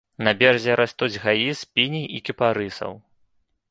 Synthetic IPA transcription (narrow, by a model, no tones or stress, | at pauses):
nɐbʲɛrzʲɛɾast̪ud͡zʲɣajispʲinʲiikʲipaɾɨsɐ̰w